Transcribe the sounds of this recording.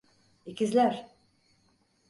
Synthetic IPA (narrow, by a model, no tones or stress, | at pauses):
icizlʲæɾ